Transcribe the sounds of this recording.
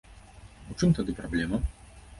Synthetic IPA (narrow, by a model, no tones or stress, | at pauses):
ut͡ʂɨmt̪ad̪ɨpɾablʲɛmɐ